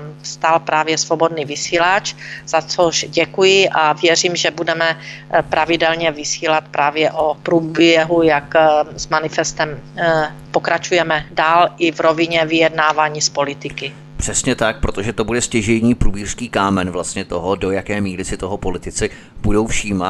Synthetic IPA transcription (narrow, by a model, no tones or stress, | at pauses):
fst̪aːlpɾaːvjɛsvobo̞dniːvɪsiːlat͡ʃz̥at͡soʃɟɛkujɪʔavjɛriːmʒɛbudɛmɛpɾʔavɪdɛlɲɛvɪsiːlat̪̚pɾʔaːvjɛʔopɾuːbjɛɦujakzmanɪfɛst̪ɛm | po̞kɾat͡ʃujɛmɛdaːlʔɪvɾo̞vɪɲɛvɪjɛdnaːvaːɲiːspo̞lɪt̪ɪkɪ | pr̝̥ɛsɲɛt̪ak̚pɾot̪oʒɛt̪o̞budɛscɛʒɛjɲiːpɾuːbiːr̥skiːkaːmɛnvlast̪ɲɛt̪oɦodo̞jakɛːmiːɾɪsɪt̪oɦopo̞lɪt̪ɪt͡sɪ | b̥udo̞wfʃiːma